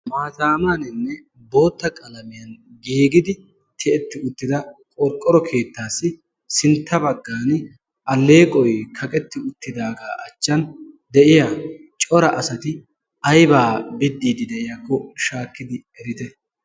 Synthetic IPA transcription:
maːzaːmaːnɪnːɛ | bo̞ːt̪ːɐkʼɐlɐmɪjɐnɡeːɡɪd̪ɪ | t̪ʰɛʔɛt̪ːɪʊt̪ːɪd̪ɐkʼɔɾkʼːɔɾɔkʰe̞ːt̪ːaːsːɪ | sɪnt̪ːɐbɐɡːaːn | ʔɐlːeːkʼɔjkʰɐkʼɛt̪ːɪʊt̪ːɪd̪aːɡaːʔɐt͡ʃːɐn | d̪ɛʔɪjat͡ʃʼɔɾɐʔɐsɐt̪ɪ | ɐjbaːbɪd̪ːiːd̪ɪd̪ɛʔɪjakːɔʃaːkːɪd̪ɪɛɾɪt̪ɛ

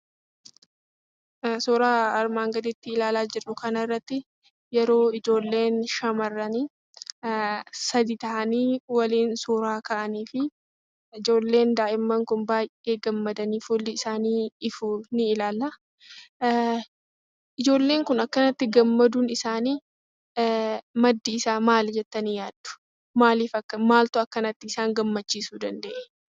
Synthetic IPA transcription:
suːɾaːɐɾmaːŋɡɐd̪ɪt̪ːɪɪlaːlaːd͡ʒɪrʊkɐnɐrːɐt̪ːɪ | jɛɾo̞ːɪd͡ʒo̞ːlːe̞ːnʃɐmɐrːɐni | sɐd̪it̪ɐʔɐniːwɐliːnsuːɾaːkɐʔɐniːfɪ | ɪd͡ʒo̞ːlːe̞ːnd̪aːʔɪmːɐŋkʊnbaːjʔʔe̞ːɡɐmːɐd̪ɐniːfʊlːɪɪsaːniːɪfunɪɪlaːlɐ | ʔɪd͡ʒo̞ːlːe̞ːŋkʊnɐkːɐnɐt̪ːɪɡɐmːɐd̪uːnɪsaːniː | mɐd̪ːiɪsaːmaːld͡ʒɛt̪ːɐniːjaːd̪ːʊ̥ | maːliːfɐkːɐmaːlt̪ʊɐkːɐnɐt̪ːɪɪsaːŋɡɐmːɐt͡ʃːiːsuːd̪ɐnd̪ḛʔɛ̥

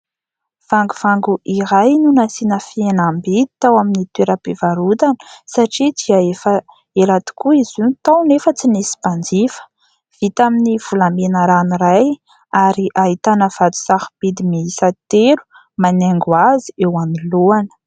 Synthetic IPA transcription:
v̥aŋɡuvaŋɡuʔiɾajnunasinəfienambid̪it̪awaminit̪weɾapevaɾud̪anə̥saʈ͡ʂid̪iaefə | elat̪i̥kuizunit̪awnefət͡sinesi̥pand͡zifə̥ | v̥it̪aminiv̥ulamenəɾaniɾaj | aɾiʔaɦit̪anəv̥ad̪u̥saxib̥id̪imiisat̪elu̥ | manaŋɡwaziewaniluanə̥

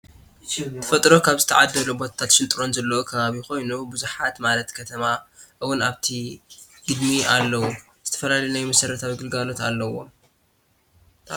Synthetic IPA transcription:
ɐ̥fɐt̪ʼɾo̞kʰaβzɨt̪ʰɐʕad̪ːɐlubo̞t̪ʰḁt̪ʰat̪ʃɪnt̪ʼɾo̞nzɐlːɐwukʰɐβaβixo̞jnubuzuħat̪malɐt̪kʰɐt̪ʰɐmaʔɨwʊnaβt̪ʰi | ɡ̥ɨd̪mialːɐwu | zɨt̪ʰɐ̥fɐlalɐjunajmɐsɐɾɐt̪ʰaβiɡɨlɡalo̞t̪alːɐwo̞̰

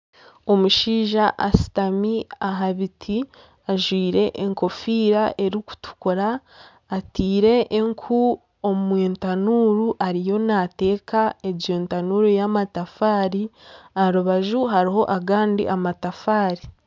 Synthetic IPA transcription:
o̞muʃiːʒaʔasi̥tamiaɦaβitʰi | aʒwiːɾe̞ʔeŋko̞fiːɾaʔe̞ɾiku̥tu̥kuɾaː | tiːɾe̞ʔːŋkʰu | omumweːntanuːɾuʔaɾijo̞nate̞ːkaed͡ʒeːntanuɾujamatafaːɾiaɾuβaʒuɦaɾiɦo̞ʔaɡaːndḭʔamatafaːɾi

